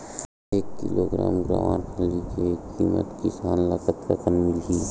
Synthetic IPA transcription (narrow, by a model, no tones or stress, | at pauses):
eːkːɪ̰loɡɾa̰ːmɡɾa̰ːʋaːnkʰaːlikeiːmə̰t̪kisaːnlakət̪ɾə̰kənmɪlɦiː